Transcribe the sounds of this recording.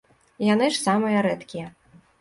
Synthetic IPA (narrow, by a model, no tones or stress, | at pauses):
janɨʂsamɨjɐɾɛt̪kʲijɐ